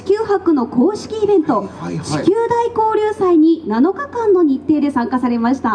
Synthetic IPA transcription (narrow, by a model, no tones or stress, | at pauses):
i̥kʲɨːhakɯ̟no̞ko̞ːɕi̥kʲiːbẽ̞nt̪o̞ɕi̥kʲɨːd̪aiko̞ːɾʲɨːsaiɲ̟inano̞kakãnːo̞ɲ̟it̪ːe̞ːd̪e̞sãŋkasaɾe̞maɕi̥t̪a